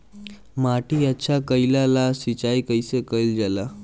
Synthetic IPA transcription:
maʈiːəɕʰakəjlalasʋit͡ɕaikəjsekəjld͡ʑala

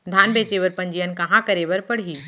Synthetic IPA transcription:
d̪ʱaːnbeːt͡ʃeʋɐɾpɐ̃ɲd͡ʒijənkɐ̃ɦãkɐɾeʋɐɾpɐɽ̤iː

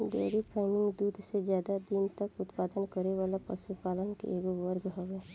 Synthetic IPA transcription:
ɖḛːɾipʰɛːnɪ̃ŋɡd̪uːd̪ʱsezjaːd̪ad̪int̪ɐkʊt̪paːd̪ənkəɾeʋaːlapə̰supaːlənkḛeːɡoʋəɾɡɦoːɡɛ̃ː

